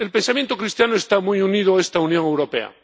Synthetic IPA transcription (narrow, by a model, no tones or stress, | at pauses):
elpensamjent̪okɾist̪janoest̪amujunið̞oaest̪aunjoŋewɾo̞pḛa̰